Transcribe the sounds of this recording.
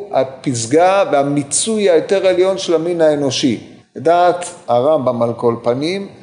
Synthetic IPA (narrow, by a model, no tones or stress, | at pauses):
a̰pizɡaveamit͡sujajote̞ʁeljo̞nʃelaminaeno̞ʃi | daːt̪haʁambamalko̞lpanim